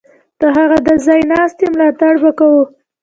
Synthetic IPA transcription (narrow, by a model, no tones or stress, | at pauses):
d̪̥əɦaɣad̪əzɑjnɑst̪emlɑt̪aɽbakawu